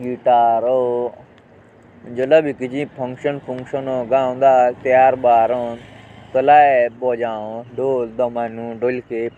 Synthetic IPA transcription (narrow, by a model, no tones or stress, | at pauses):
ɡiʈaːɾo | d͡ʒolabikid͡ʒĩpʰɐ̃ŋkʃənpʰũŋkʃənoɡãːũnd̪aːt̪ɪjaːɾbaːɾont̪olaːeboːd͡ʒãːõɖoːld̪omaːnũːɖoːlkʰe